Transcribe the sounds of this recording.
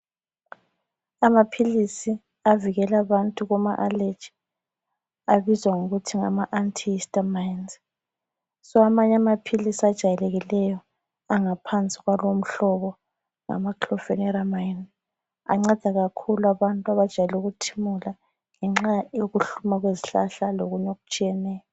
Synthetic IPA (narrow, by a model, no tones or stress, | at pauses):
amapʰilisi | aviɣɛlaβantʼuɣuma̰ʔaled̥ʒ̥ʱi̥ | aβizwaŋuɣutʰiŋa̰maʔantʰiistʼamajnz | sɔamaɲamapʰilisad̥ʒ̥ʱajɛleɣilɛjɔ | aŋapʰant͡sʼiɣwalom̩ɬɔβɔ | ŋa̰makʰlɔfɛnɛɾamain | a̰ŋ͡ǀad̥ʱaɣakʰuluaβantʼuaβad̥ʒ̥ʱajɛluɣutʰimula | ŋɛŋ͡ǁajoɣuɬumaɣweziɬa̰ɬaloɣuɲoɣu̥t͡ʃʼijɛnɛːjɔ